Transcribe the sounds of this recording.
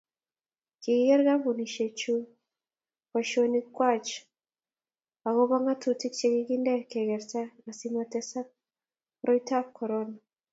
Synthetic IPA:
ki˨ɣe˦ɾɡa˦βu˨ni˨ʃe˨t͡ʃu˦ | wa˨ʃo˨ni˦kwa˦˨t͡ʃ | a˨ɣo˦βa˦ŋa˦tu˨ti˦kt͡ʃe˦ɡi˦ki˦nde˦˨ke˨ɣe˨ɾta˦a˨si˦ma˨te˦sa˦ | ɾʔo˦ita˦βkʰo˨ɾona

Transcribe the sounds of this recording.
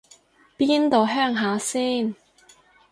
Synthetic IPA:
piː˥nt̪o˨˧wɦœː˥ŋɦaː˨˧siː˥˩n

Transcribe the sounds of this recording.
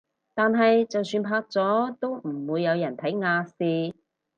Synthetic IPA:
t̪aː˨nɦɐ˨jt͡sɐ˨wsyː˧npʰaː˧˥k̚t͡sɔː˨˥t̪o˥wm̩˨˩wuː˨˧jːɐ˨˧wjɐ˨˩nt̪ʰɐ˨˥jŋaː˧siː˧

